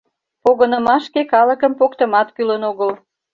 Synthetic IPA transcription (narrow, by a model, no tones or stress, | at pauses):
poɣənə̆mɑʃkekɑləkəmpokt̪əmɑt̪kylənoɣəl